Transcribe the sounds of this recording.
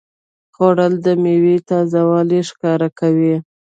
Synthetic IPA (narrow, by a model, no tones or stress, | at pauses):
xoɽəld̪əmewet̪ɑzawɑliʂkɑɾakawi